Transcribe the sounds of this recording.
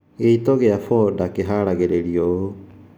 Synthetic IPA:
eitoɣeafɔdakeɦaɾaɣɛɾɛɾioo

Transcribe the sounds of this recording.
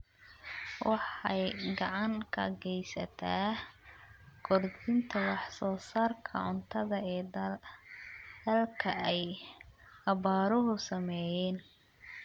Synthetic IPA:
wɑħɑjɡɑʕɑŋkʰɐ̰ɡɛjsɐt̪ʰaː | ɡʰɔrdɪnt̪ʰɐwɑħsɔːsaːrkʰɐ̰ʕʊnt̪ʰɐðɐɛː | d̪̥ɐlkʰɐɛj | ɐβaːɾʊɦʊsɐmɛjɛːn

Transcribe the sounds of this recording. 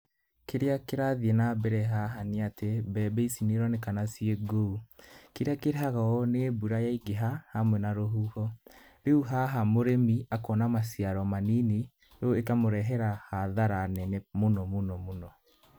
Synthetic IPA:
keɾeakeɾaðienabɛɾɛɦaɦaneatebɛbeisineɾɔnekanasieɡoukeɾakeɾeɦaɣaɔnebuɾajaiɡeɦahamwɛnaɾoɦuhɔ | beuɦaɦamoɾemiakɔnamasiaɾɔmanine | joekamoɾɛɦɛɾahaðaɾanɛnemonɔmonɔmonɔ

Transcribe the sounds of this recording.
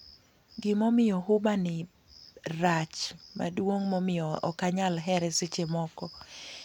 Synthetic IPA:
ɡɪmɔmɪjɔɦʊbanɪ | ɾat͡ʃma̰dwoŋmɔmɪjɔɔ̰kaɲalɦɛɾɛsɪt͡ʃemɔkɔ

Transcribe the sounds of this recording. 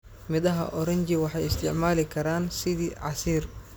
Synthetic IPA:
mɪðɐɦɐ̰ʔɔɾɐɲt͡ʃɪwɑħɑjɪst̪ʰɪʕmaːlɪkʰɐɾaːnsɪðiːʕɑsiːr

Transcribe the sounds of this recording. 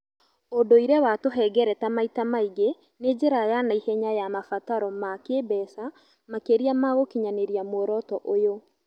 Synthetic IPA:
odoiɾɛwatoɦɛɡɛɾɛtamaitamaiɡe | ned͡ʑeɾajanaihɛɲajamafataɾɔmakebɛsa | makeɾiamaɣokiɲaneɾiamwoɾɔtɔʔojo

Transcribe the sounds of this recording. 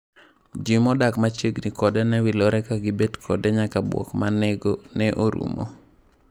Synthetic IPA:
d͡ʒimɔdakmat͡ʃeɡnikɔdɛnɛwilɔɾɛkaɡɪbedkʰɔdɛɲakabwɔ̰kmaneɡonɛʔoɾṵmo̰

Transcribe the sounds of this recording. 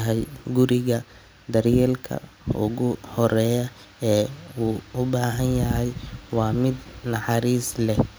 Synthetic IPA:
ɦɛjɡʊɾɪɣɐ | d̪ɐrjɛːlkʰɐ̰ʊ̰ɣʊhɔɾɛːjɐ | ɛːuːʊbaːɦɐnjɐɦɛjwɑːmɪd̪nɑħɑɾiːslɛh

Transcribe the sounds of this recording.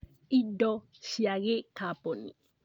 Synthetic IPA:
idɔ | ʃiaɣekaponḭ

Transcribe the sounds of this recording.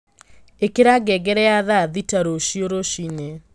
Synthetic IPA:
ekeɾaɡɛɡɛɾɛaðaðitaɾoʃioɾoʃine

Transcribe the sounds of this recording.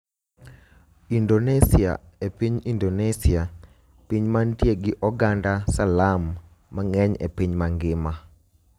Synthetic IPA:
indonɛsia̰epiɲindonɛsia | piɲmantjeɡɪʔɔɡandasalamː | aŋɛɲḛpiɲmaŋɡɪma

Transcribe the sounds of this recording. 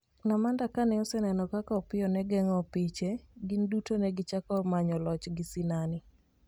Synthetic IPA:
namandakanɛɔsɛnɛnɔkakaɔpɪjɔnɛɡɛŋɔpɪt͡ʃeɡindutonɛɡɪt͡ʃakɔmaɲɔlɔt͡ʃɡɪsinanɪ

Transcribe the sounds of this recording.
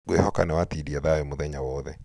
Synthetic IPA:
ɡwehɔka̰nɛwatidiɛðawemoðɛɲawɔːðɛ

